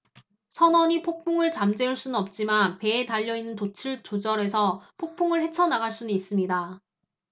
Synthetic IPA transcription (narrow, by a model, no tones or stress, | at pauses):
sʰʌnʌɲipʰok̚pʰoŋɯɭt͡ɕamd͡ʑe̞uɭs͈unɯnʌp̚t͡ɕ͈imanpe̞ːtaʎːʌinːɯntot͡ɕʰɯɭt͡ɕod͡ʑʌɾe̞sʰʌpʰok̚pʰoŋɯɭhe̞t͡ɕʰʌnaɡaɭs͈unɯnis͈ɯmɲida